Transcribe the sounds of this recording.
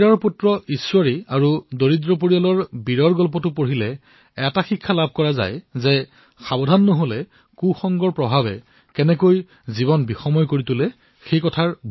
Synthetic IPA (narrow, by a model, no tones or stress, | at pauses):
ɹɔɹputɹɔiswaɹiaɹudoɹidɹɔp̬oɹijalɔɹbiɹɔɹɡɔlp̬ɔtʊpoɹilɛ | ɛtaxikʰːalabʱkɔɹaza̰jzɛ | xabɔdʱanːoɦolɛ | kuxɔŋɡɔɹpɹɔbʱabɛ̰ | kɛnɛkoj | ziβɔnbixɔmɔjkoɹitʊlɛ | xejkɔtʰaɹ